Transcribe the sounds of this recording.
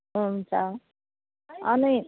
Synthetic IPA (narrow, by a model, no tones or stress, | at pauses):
ɦunt͡sʰʌ | ʌni